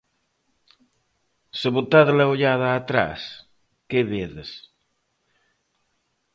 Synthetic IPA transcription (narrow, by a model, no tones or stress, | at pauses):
seβot̪aðlaoʎaðaːt̪ɾa̰s | keβeðes